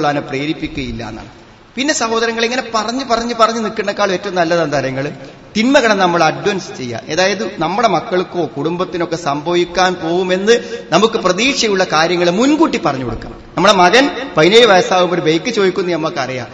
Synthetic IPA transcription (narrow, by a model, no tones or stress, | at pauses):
ɭːaːnɨpreːɾipːikʲːuɣɐilːɐ̰ːnːa̰ːɳɨ | pinːe̞sɐho̞ːðɐɾɐŋːɐɭeŋːɐne̞pɐrɐɲːɨpɐrɐɲːɨpɐrɐɲːɨnikːɐɳɖɐkːaːɭmeːtːɐʋmnɐlːɐðɐnd̪ʱɐɾjɐŋːɐɭ | t̪inmɐɣɐɳɐmnɐmːɐɭɐɖʋɐnst͡ɕe̞jːa̰ːʔe̞ːðaːjɐðɨnɐmːuɽe̞mɐkːɐɭkːo̞ːkuɽumbɐt̪ːino̞kːe̞sɐmbʱɐʋikʲːaːnpo̞ːʋume̞nːɨnɐmukːɨprɐðiːkʂɐjuɭːɐkaːɾjɐŋːɐɭemunkuːʈːipɐrɐɲːukoɽukːa̰ːmnɐmːuɽemɐɣɐnpɐjneːjɐʋɐjsaːʋumo̞ɾuʋejkːɨt͡ɕo̞ːjikʲːunːuemːɐkːɐrija̰ːm